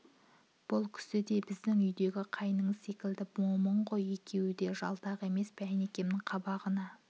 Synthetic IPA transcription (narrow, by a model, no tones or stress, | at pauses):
b̥ʊlˠkʲʰʏ̥sɪd̪e̞bɪzd̪ɪŋʏjd̪e̞ɡʲɪqʰɑjnəɴəzse̞kʲɪld̪ɪpwo̞məɴʁo̞je̞kʲʰe̞wɪd̪e̞ʒɑ̰lˠt̪ɑʁe̞me̞spʰæne̞kʲe̞mnɪŋqʰɑbɑʁənɑ